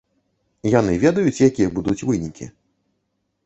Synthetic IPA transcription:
jan̪ɨvʲɛd̪ɐjut͡sʲjakʲijɛbud̪ut͡sʲvɨnʲikʲḭ

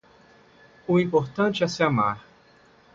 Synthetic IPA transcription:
ʊĩpoɾt̪ɐ̃nt͡ʃɪɛsɪamaɾ

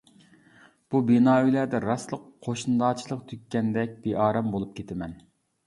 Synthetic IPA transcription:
b̥ubinɑːylæd̪ɛɾɑslˠəqʰoʃnɨd̪ɑːt͡ʃʰilˠəqt̪ʰykʲːɛnd̪ɛk̚ʲbeʔɑːɾɑmbolˠup̚kʲʰet̪ʰɪmɛn

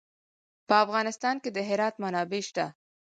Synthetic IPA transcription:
pəafɣɑnɪst̪ɑnked̪əɦɪɾɑt̪manɑbeʃt̪a

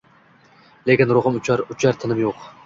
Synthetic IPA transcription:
lekʲɪnɾoʁɨmʊt͡ʃɾʊt͡ʃʰaɾt̪ʰɪnɪmjoq

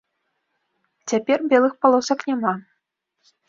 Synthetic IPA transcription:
t͡sʲapʲɛrbʲɛlˠɨxpalˠɔsɐknʲama

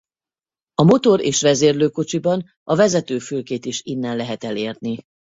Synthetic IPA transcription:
ɒmo̞t̪o̞ɾeːʃʋɛzeːrløːko̞t͡ʃibɒn | ɒvɛzɛt̪øːfylkeːt̪iʃinːɛnlɛɦɛt̪ɛleːrni

